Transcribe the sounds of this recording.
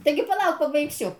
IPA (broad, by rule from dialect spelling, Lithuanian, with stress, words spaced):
ˈtɐɪɡʲɪ pɐˈlˠɐʊk pɐbɐɪkˈsʲʊ